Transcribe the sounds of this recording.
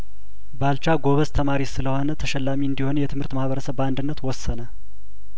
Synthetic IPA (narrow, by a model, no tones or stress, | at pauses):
balt͡ʃaɡo̞βəst̪ʰəmaɾisɨləho̞nət̪ʰəʃɛlːamiɨnd̪iho̞njɛt̪ʰɨmhɨɾt̪mahβəɾəsəβand̪ɨnːət̪wɔsːənə